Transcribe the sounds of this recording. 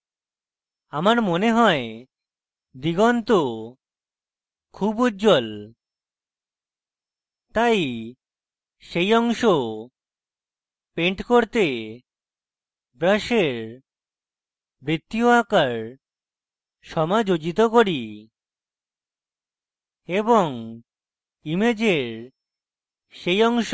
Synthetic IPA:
amaɾmoneɦɔe | d̪iɡɔnt̪o | kʰubud͡ʑol | t̪aj | ʃejɔŋʃo | peɳʈkoɾt̪e | bɾaʃeɾ | bɾit̪ːioakaɾ | ʃɔmad͡ʑod͡ʑit̪okoɾi | eboŋ | imed͡ʑeɾ | ʃejɔŋʃ

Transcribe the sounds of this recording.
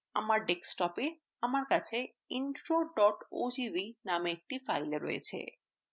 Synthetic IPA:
a̰maɾɖeksʈɔpe | amaɾkat͡ɕʰe | inɾoɖɔʈo̰d͡ʑibinameːk̚ʈifajleɾːɔ̰jḛt͡ɕʰḛ

